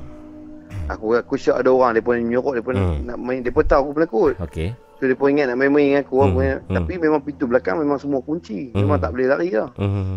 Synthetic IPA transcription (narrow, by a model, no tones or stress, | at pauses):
a̰kuakut͡ʃaʔadaoɣaŋdiəpunɲoɣɔʔdiəpʊnaʔnaʔməiŋdiəpət̪awakupunakuoke | sodiəpuniŋat̪̚naʔmeməiŋakuakut̪apimemaŋpit̪ubəlaka̰ŋmemaŋsəmuakuɲt͡ʃimemaŋt̪aʔbəlɛlaʔia